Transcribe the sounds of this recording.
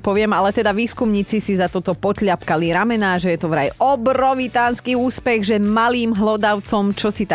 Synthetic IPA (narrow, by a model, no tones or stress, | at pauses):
pɔʋɪɛmalɛt̪ɛd̪aʋiːskumɲiːt͡sisizat̪ɔt̪ɔpɔt̪ʎapkaliɾamɛnaːʒɛjɛt̪ɔʋɾa̰jɔbɾɔʋit̪aːnskiuːspɛɣʒɛmaliːmɦlɔd̪aʊt͡sɔmt͡ʃɔsit̪a